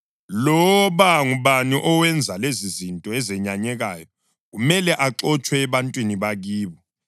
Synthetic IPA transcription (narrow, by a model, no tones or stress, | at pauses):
lɔβaŋuβaniʔɔwɛnd͡zʱalezizintʼɔɛzɛɲaɲɛɣaːjɔ | ɣumɛlɛʔaǀɔt͡ʃʼwɛːβantʼwiniβaɣiːβɔ